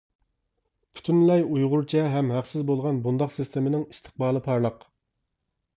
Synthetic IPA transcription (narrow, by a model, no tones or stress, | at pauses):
pʰy̥t̪ʰynlɛjujʁʊɾt͡ʃʰɛɦɛmɦæqsɪzbolˠʁɑnbund̪ɑqsist̪emɪnɪŋist̪ʰə̥χbɑːlˠɨpʰɑɾlˠəq